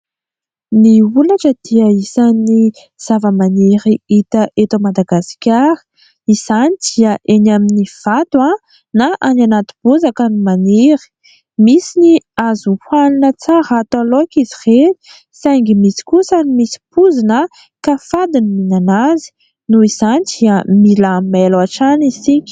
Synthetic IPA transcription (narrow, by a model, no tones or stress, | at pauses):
niulaʈ͡ʂəd̪̥iəisani | z̥avəmaneɾiit̪əʔet̪omad̪aɡasi̥kʲaɾə̥ | iz̥anid̪̥iəʔenaminiv̥at̪ua | naʔananat̪u̥b̥uzakənimaneɾi̥ | misiniazuhualinət͡saɾat̪alokizireni̥ | sajŋɡimisi̥kusənimisi̥puzinə | kafad̪iniminanazi̥ | nuiz̥anid̪̥iəmiləmelaʈ͡ʂanisikʲi̥